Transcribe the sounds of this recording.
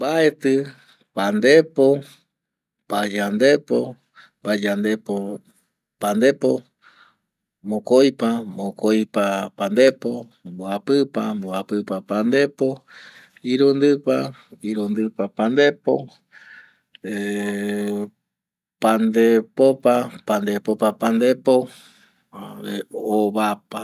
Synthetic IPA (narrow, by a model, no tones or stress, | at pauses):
mbaet̪ɨ | pand̪epo | pad͡ʒand̪epo̰ | pad͡ʒand̪epo | pand̪epo | mõkojpamõkojpapand̪epo | mboapɨpamboapɨpapand̪e̞po | iɾund̪ɨpaiɾund̪ɨpapand̪e̞po | e | pand̪epopapand̪epopapand̪epo | eoβapa